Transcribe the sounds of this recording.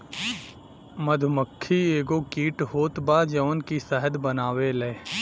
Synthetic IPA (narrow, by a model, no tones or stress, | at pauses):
məd̪ʱməkʰːieːɡokiːʈɦoːt̪baːd͡ʒəʋənkisɛɦəd̪bənaːʋelee